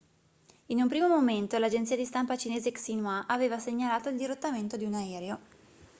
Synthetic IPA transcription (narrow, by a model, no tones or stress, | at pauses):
inumpɾiːmomoment̪olad͡ʒent̪siːad̪ist̪ampat͡ʃineːzeksinwaʔaveːvaseɲːalaːt̪oild̪iɾot̪ːament̪od̪iunaɛːɾeo